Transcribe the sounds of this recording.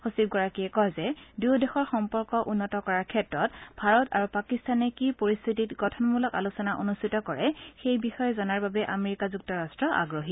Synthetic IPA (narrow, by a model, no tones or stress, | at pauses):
xosiɡɔɹakijɛkɔzɛdudɛxɔɹxɔmpɔɹkɔʔunːɔtɔkɔɹaɹkʰɛtɹɔtbʱaɹɔta̰ɹupakistanɛkipoɹist̪ʰititɡɔtʰɔnmulɔka̰lusɔnaʔonustʰitɔkɔɹɛxejbixɔjɛzɔnaɹbabɛʔameɹikazuk̚tɔɹastɹɔʔa̰ɡɹoɦi